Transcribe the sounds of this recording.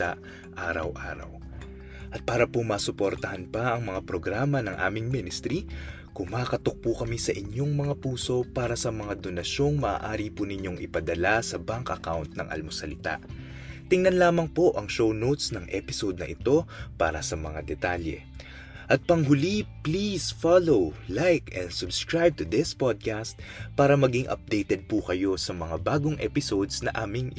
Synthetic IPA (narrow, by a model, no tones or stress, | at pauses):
t̪aʔ | ʔaːɾɐ̰wʔa̰ːɾɐ̰w | ʔɐt̪̚paːɾɐpomaːsʊpoɾt̪ɐhɐnpɐʔɐŋmɐŋapɾo̞ɡɾaːmɐnɐŋʔa̰ːmɪŋminɪst̪ɾi | kʊŋmaːkɐt̪ok̚pukɐmisɐʔɪɲjo̞ŋmɐŋapuːso̞paːɾɐsɐmɐŋad̪o̞nɐʃo̞ŋmɐʔa̰ːʔaːɾipunɪɲo̞ŋʔɪpɐd̪ɐlasɐbaŋkʔɐkawnt̪̚nɐ̰ŋʔɐ̰lmosɐlɪt̪a̰ʔ | t̪ɪŋnɐnlaːmɐŋpo̞ʔɐŋʃownowt̪snɐŋʔɛ̰pɪso̞d̪̚nɐʔɪt̪o̞pa̰ːɾɐsɐmɐŋad̪ɛt̪aljɛ̰ | ʔɐt̪̚pɐŋɦʊliplisfalowlajkɛnsʊbskɹajb̚t̪ʊd̪ɪspod̪̚kast̪̚paːɾɐmɐɡiŋʔɐ̰p̚d̪ejt̪ɛd̪̚pukɐjo̞sɐmɐŋabaːɡoŋʔɛ̰pɪso̞d̪snɐʔaːmɪŋ